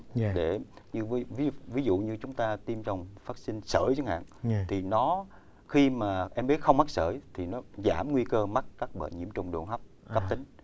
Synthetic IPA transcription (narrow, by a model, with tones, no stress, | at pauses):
ɗe˧˩ɲɨ˧˨˦vi˨˦vi˨˦zṵ˧˨ɲɨ˧t͡ɕʊ˨˦ŋ͡mt̪aː˧t̪i˧mt͡ɕɔ˨˧wŋ͡mfaː˦˥t̚sï˧ŋ̟sə̰ː˧˩jt͡ɕɨ˨˦ŋha̰ː˧˨nt̪ʰi˨˩nɔ˨˦ | xi˧maː˨˩ʔɛ˧mɓi˦˥t̚xə˧wŋ͡mma˦˥k̚səː˧˩jt̪ʰi˨˩nɔ˨˦zaː˧˩mŋwi˧kəː˧ma˦˥t̚kːaː˦˥k̚ɓə̰ː˧˨˩jɲḭ˧˩əmt͡ɕʊ̰˨˧˩ŋ͡mɗṵ˧˨ənɦa˦˥wp̚kə˦˥˧p̚t̪ï˨˦ŋ̟